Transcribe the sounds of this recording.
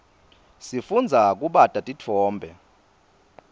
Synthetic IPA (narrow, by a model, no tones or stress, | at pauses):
sifund͡zʱak̬ʼuɓatʼatʼitʰɔːmbʱɛ